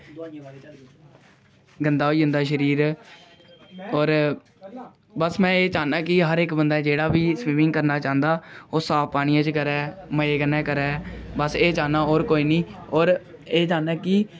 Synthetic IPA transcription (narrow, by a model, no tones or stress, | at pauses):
ɡənd̪aːɦoːiːɦʊ̃nd̪aːʃ̬əɾiːɾ | ɔːɾ | bəsmɛ̃ːeːt͡ʃaːnaːkɪɦəɾɪkbənd̪aːd͡ʒeːɽaːbiːsʋiːmɪ̃ŋɡkəɾnaːt͡ʃãːnd̪aːoːsaːpaːɽ̃ɪjãːt͡ʃkəɾɛːməeːɡənɛːkəɾɛːbəseːt͡ʃaːnaːoːɾkoːiːnĩːɔːɾ | eːd͡ʒaːnaːkɪ